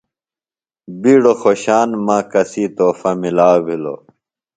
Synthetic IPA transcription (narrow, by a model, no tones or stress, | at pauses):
biːɽoxoːɕaːnmãːkɐsiːt̪oːfɐmilaːbʱilo̰